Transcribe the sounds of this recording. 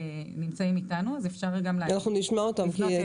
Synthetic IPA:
nimt͡saimitanuazefʃaʁɡamleanaχnuniʃmaot̪amki

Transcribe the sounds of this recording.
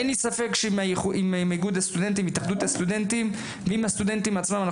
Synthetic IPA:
enisafe̞kʃmaχuimmiɡud̪ast̪ud̪ent̪̬imit̪aχd̪ut̪hast̪ud̪ent̪im | veimhast̪ud̪e̞nt̪imat͡smamana

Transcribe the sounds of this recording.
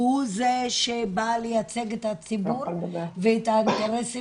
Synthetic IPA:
uzeʃebalejat͡seɡet̪at͡sibuʁveet̪aint̪eʁesi

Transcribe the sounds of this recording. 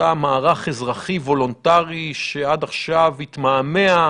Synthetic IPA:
amaːʁaχezʁaχivo̞lontaʁiʃeadaχʃavit̪maːme̞a

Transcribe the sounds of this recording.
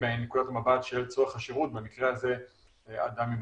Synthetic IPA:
enːekudatamabat̪ʃelt͡soaχaʃeʁut̪̚bemikʁeaze̞ | a̰d̪amjim

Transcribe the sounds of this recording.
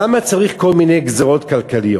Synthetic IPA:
amat͡saʁiχko̞lminejɡzaʁo̞t̪kalkalijo

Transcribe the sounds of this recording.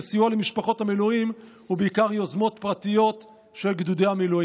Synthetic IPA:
sijualemiʃpaχo̞thamiluim | hubeikaʁjo̞zmo̞t̪pʁat̪ijo̞t | ʃe̞lɡd̪ud̪ejhamilui

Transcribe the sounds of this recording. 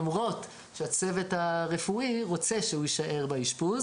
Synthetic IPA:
mʁo̞t | ʃeat͡sevetaʁe̞fuiʁo̞t͡seʃehujiʃaʔe̞ʁbaiʃpuz

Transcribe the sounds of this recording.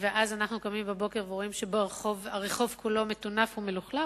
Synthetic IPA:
veʔazanaχnukomimbebo̞ke̞ʁveʁoimʃeboʁeχovaʁeχo̞vkulo̞me̞tunafhume̞luχla

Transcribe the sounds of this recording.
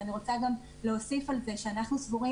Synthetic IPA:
aniʁo̞t͡saɡam | leosifalze̞ʃeanaχnusvuʁi

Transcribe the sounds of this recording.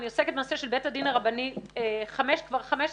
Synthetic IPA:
nioseket̚bemaːseʃelbetad̪inaʁabanieχameʃkvaʁχameʃ

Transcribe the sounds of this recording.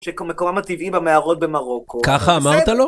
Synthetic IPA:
ʃekmekomamat̪ivibameaʁot̪̚bemaʁokokaχaːmaʁt̪alo

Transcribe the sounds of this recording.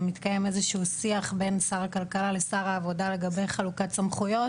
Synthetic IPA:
mit̪kaje̞mezeʃuːsiaχbe̞nsaʁakalkalale̞saʁaːvo̞dale̞ɡabe̞jχalukatt͡samχujo̞

